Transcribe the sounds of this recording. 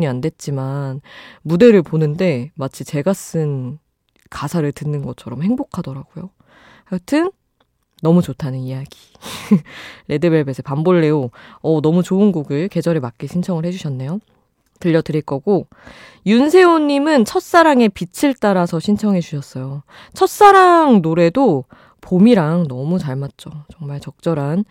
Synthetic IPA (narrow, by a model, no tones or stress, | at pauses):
ɲiandwe̞t̚t͡ɕ͈imanmude̞ɾɯɭponɯnde̞mat͡ɕʰit͡ɕe̞ɡas͈ɯn | kasʰaɾɯɭtɯnːɯnɡʌt͡ɕʰʌɾʌmhe̞ŋbokʰadʌɾaɡ̥ojo | haɡtʰɯnː | ʌmut͡ɕotʰanɯnijaɡ̥i̥ | ɾʔe̞dɯbe̞ɭbe̞sʰʌpamboɭːe̞oʌnʌmut͡ɕoɯnɡoɡɯɭke̞d͡ʑʌɾimak͈eɕʰint͡ɕʰʌŋɯɭhe̞d͡ʑuɕʰʌnːe̞jo | tɯʎːʌdɯɾiɭk͈ʌɡo | junsʰe̞oɲːimɯnt͡ɕʰʌt̚s͈aɾaŋe̞pit͡ɕʰiɭt͈aɾasʰʌɕʰint͡ɕʰʌŋet͡ɕuɕʰʌs͈ʌjo | t͡ɕʰʌt̚s͈aɾaŋnoɾe̞do | pomiɾaŋnʌmut͡ɕaɭmat̚t͡ɕ͈ot͡ɕʌŋmaɭt͡ɕʌk̚t͡ɕ͈ʌɾan